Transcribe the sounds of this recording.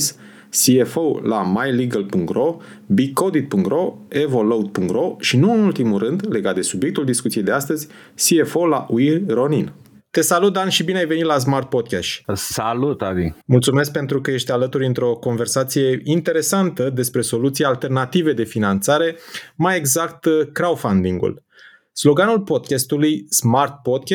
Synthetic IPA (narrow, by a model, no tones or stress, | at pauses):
s | siefowlamajliɡəlpuŋkt̪ro | bikod̪it̪̚puŋkt̪ɾoevolowd̪̚puŋkt̪ɾoʃinuɨnult̪imurɨnd̪le̞ɡat̪̚d̪e̞subje̞k̚t̪uld̪iskut̪sijejd̪e̞ast̪əzʲ | siefowla̰ʔuiɾo̞nin | t̪e̞salut̪̚d̪anʃibineajve̞nit̪las̬mart̪̚pod̪̚kʲaʃsalut̪avimult̪sume̞sk̚pe̞nt̪ɾukəje̞ʃt̪alət̪uɾʲɨnt̪ɾo̞ko̞nve̞rsat̪sije̞int̪e̞ɾe̞sant̪əd̪e̞spɾe̞so̞lut̪sijaalt̪e̞rnat̪ive̞d̪e̞finant̪saɾe̞maje̞ɡzakt̪kɾawfand̪iŋɡṵl | slo̞ɡanulpo̞d̪̚kʲast̪ulujsmart̪̚pod̪̚kʲ